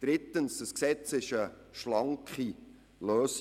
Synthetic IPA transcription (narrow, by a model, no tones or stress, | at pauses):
d̥ɾɪt̪ːənsd̥əsksɛt͡sɪʃəʃlɑŋkχi | løːs